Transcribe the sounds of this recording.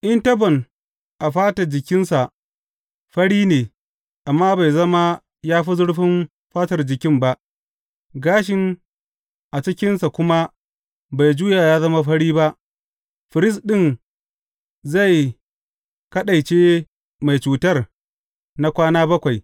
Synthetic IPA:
ʔɪ˦ntɐ˦bɔ˨n | ʔa˨ɸaː˦tɐ˨d͡ʒɪ˨kʲɪ˦nsa˨ʔ | ɸɐ˦ɽiː˦neː˨ | ʔa˨mːaː˦ba˨jzɐ˦ma˦ | jaː˦ɸi˦zʊ˦ɽɸɪ˦m | ɸaː˦tɐ˨rd͡ʒɪ˨kʲɪ˦mba˦ʔ | ɡaː˦ʃ̬ɪ˨n | ʔa˨t͡ʃɪ˦kʲɪ˦nsa˨kʷʊ˦ma˦ | ba˨jd͡ʒuː˦ja˨jaː˦zɐ˦ma˦ɸɐ˦ɽiː˦ba˦ʔ | ɸɪ˨ɾɪ˦s̬ɗɪ˦˨n | za˦˨j | kɐ˦ɗa˨jt͡ʃeː˦ | ma˨jt͡ʃuː˨tɐ˦r | na˨kʷaː˦naː˦bɐ˦kʷa˨j

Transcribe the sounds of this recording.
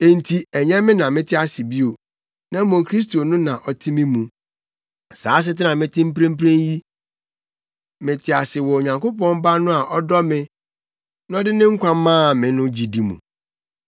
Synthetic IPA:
e˨n̩˨tʰi˨ɛ˨ɲɛ̃˦mɪ̃˦nã˨mɪ̃˦tʰɪ˦a˦˨sɪ˨bi˦o˨ | nã˦mɔ̃˨ŋkʰɾi˦s̬to˨nʊ̃˦nã˨ʔɔ˨tʰi˦mɪ̃˦mũ˨ | saː˨˦s̬ɪ˦tɪ˦nã˨mɪ̃˦tʰɪ̃˦m̩˦pɾẽ˦m̩˦pɾẽ˦n˦ji˦ | mɪ̃˨tʰɪ˨˦a˨sɪ˨wɔ˨o˨ɲã˨ŋko˦pɔ̃˦n˦ba˦nʊ̃˦a˨ʔɔ˦dɔ˦mɪ̃˦ | n˦ɔ˦dɪ˦nɪ̃˦ŋ̩˦kʷʰã˦m˦mːãː˦˨mɪ̃˨nʊ̃˦d͡ʑi˨di˨mṵ̃˨

